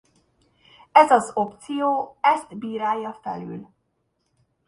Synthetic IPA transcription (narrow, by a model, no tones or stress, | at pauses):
ɛzɒzo̞pt̪sijoːɛst̪biːɾaːjːɒfɛ̰ly̰l